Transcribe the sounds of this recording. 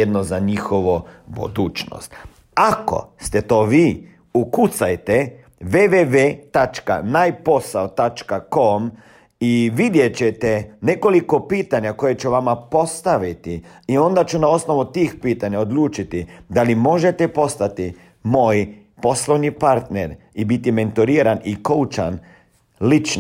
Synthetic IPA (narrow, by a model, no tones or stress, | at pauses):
ed̪nozaɲixoʋobṵd̪uːt͡ʃno̰st̪ | ako̞̰st̪ɛt̪o̞ːʋiː | ukut̪sajt̪e | ʋeʋeʋet̪at͡ʃka̰najpo̞saot̪at͡ʃkakom | iʋid̪jet͡ɕet̪ɛne̞ko̞liko̞piːt̪aɲako̞jet͡ʃuʋamapo̞st̪aʋit̪iio̞nd̪at͡ʃunao̞sno̞ʋut̪iːxpiːt̪aɲaod̪luːt͡ʃit̪id̪alimo̞ʒet̪epo̞st̪at̪i | moːj | po̞slˠoʋɲipaɾt̪neɾibit̪ime̞nt̪oɾiːɾanikout͡ʃa̰n | lit͡ʃn